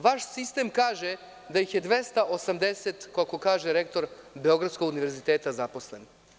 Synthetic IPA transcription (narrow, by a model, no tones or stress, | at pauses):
ʋaʃsist̪emkaːʒe | d̪ajixje̞d̪ʋest̪aʔosamd̪eset̪koakokaːʒeɾekt̪o̞ɾbeo̞ɡɾat̪skoɡuniʋeɾzit̪eːt̪azapo̞sle̞n